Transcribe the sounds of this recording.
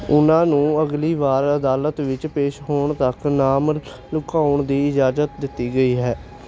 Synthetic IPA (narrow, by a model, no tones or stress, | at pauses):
ʊnãːnũːəɡliːʋaːɾəd̪aːlət̪ʋɪt͡ʃpeːʃɦoːɳt̪əknaːm | lʊkaːʊɳd̪iːɪd͡ʒaːzət̪d̪ɪt̪ːiːɡəiːɦɛː